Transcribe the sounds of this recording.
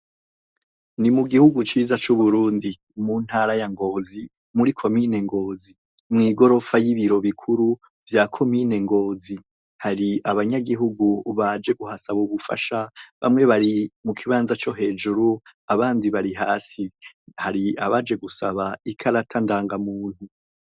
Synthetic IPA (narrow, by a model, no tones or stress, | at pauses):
nimuɡihuɡut͡ʃiːzat͡ʃuβuɾuːndi | muːn̥haːɾajaŋɡo̞zi | muɾikʰo̞mine̞ŋɡo̞ːzi | mŋiːɡo̞ɾo̞fajiβiɾo̞βikʰuɾu | vjakʰo̞mine̞ŋɡo̞ːzi | haɾiaβaɲaɡiɦuɡuβad͡ʒe̞ɡuhasaβuβufa̰ʃaβa̰mŋe̞βaɾimukʰiβaːnzat͡ʃo̞ɦe̞ːd͡ʒuɾuaβaːndiβaɾiɦaːsihaɾiaβad͡ʒe̞ɡusaβaikʰaɾatʰandaːŋɡamuːn̥hu